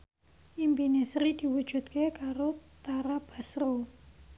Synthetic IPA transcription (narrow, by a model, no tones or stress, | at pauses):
ʔimpinesɾid̪̥i̤wu̥ʒ̥ṳt̪̚kekaɾot̪aɾab̥a̤sɾo